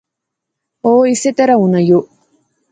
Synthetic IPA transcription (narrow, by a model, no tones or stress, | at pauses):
oːiset̪ɐɾɐunɐjoʔ